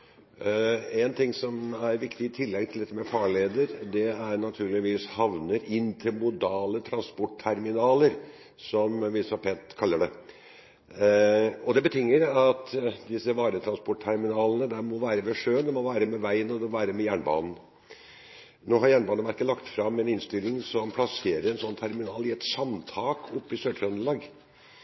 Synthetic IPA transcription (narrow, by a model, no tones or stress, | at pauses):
ɛnt̪ʰɪŋːsɔmæɾʋɪkt̪ɪɪt̪ʰɪlːɛɡt̪ʰɪld̪ɛt̪ːəmɛfɑːɭeːd̪əɾd̪ɛæɾnɑt̪ʰʉːɭɪʋiːshɑʋnəɾɪnt̪ʰəmʊd̪ɑːlət̪ʰɾɑnspɔʈ̚t̪ʰæɾmɪnɑːləɾ | sɔmʋɪsɑpʰɛnt̪kʰɑlːəɖɛ | ɔd̪ɛbət̪ʰʏŋːəɾɑt̪d̪ɪsəʋɑːɾət̪ʰɾɑnspɔʈ̚t̪ʰæɾmɪnɑːlənəd̪ɛmɔʋæːɾəʋɛʂøːənd̪ɛmɔʋæːɾəmɛʋæɪənɔd̪ɛɔʋæːɾəmɛjæːɳbɑ̰ːnn̩ | noːɦɑɾjæːɳbɑːnəʋæɾkːəlɑkt̪fɾɑmɛnɪnst̪ɪlːɪŋsɔmpʰlɑseːɾəɾɛnsɔnːt̪ʰæɾmɪnɑːlɪɛt̪sɑmt̪ʰɑːkʰʊpːɪsøːʈ̪ʰɾɑnd̪əlɑːɡ